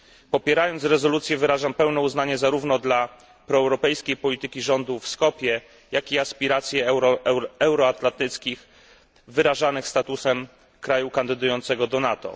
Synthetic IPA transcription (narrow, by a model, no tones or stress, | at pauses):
pɔpʲjɛɾajɔnt̪sɾɛzɔlut̪sʲjɛvɘɾaʐampɛwnɛuznaɲɛzaɾuvnɔd̪la | pɾɔɛwɾɔpɛjskʲejpɔlʲit̪ɘkʲiʐɔnd̪ufskɔpʲjɛ | jakʲiaspʲiɾat̪sʲjɛ | ɛwɾɔat̪lant̪ɘt̪skʲix | vɘɾaʐanɘxst̪at̪usɛm | kɾajukand̪ɘd̪ujɔnt̪sɛɡɔd̪ɔnat̪ɔ̰